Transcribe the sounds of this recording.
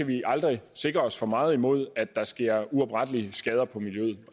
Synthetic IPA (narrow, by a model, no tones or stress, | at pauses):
æʋiʔɑ̈ld̥ʁise̝ɡ̥ʁɐɒ̽sfɒ̽mɑ̈ːð̞̩ˠimo̝ð̞̰ˠæd̥ːɑ̈sɡ̥e̝ɐ̰uɒ̽b̥ʁad̥əliəsɡ̥ɛːð̞ˠɐpʰɒ̽miljøð̩ˠ